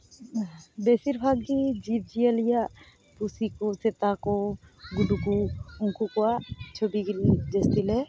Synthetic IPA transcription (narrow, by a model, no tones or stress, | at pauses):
besiɾbʱaɡdid͡ʒib̚d͡ʒijalijaʔ | p̪usikoset̪akɔɡuɖukuuŋkukɔwaʔt͡ʃʰobiɡlid͡ʒest̪ilɛ